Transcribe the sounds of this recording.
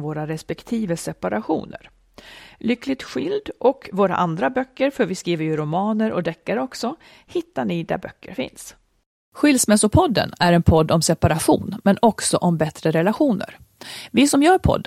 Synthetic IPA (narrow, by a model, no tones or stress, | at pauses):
voːɾaɾɛspɛkt̪ʰiːvəsɛpaɾaɧṵːnə̰ɾ | lʏkːlɪt̪ɧʏld̪ʔɔkvoːɾa̰ʔand̪ɾabœkːəɾfœɾvɪskɾiːvəɾjɵɾʊmɑːnəɾʔɔ̰d̪ɛkːaɾɔksɔ | hɪt̪ːaɳɪd̪æ̰ɾbœ̰kːə̰ɾfɪ̰ns | ɧʏlsmɛsʊpʰɔd̪ːə̰næɾɛnpʰɔd̪ːɔmsɛpaɾaɧṵːnmɛnɔksɔʔɔmbɛt̪ɾəɾɛlaɧuːnə̰ɾ | vɪsɔmjœːɾpʰɔ̰d̪ː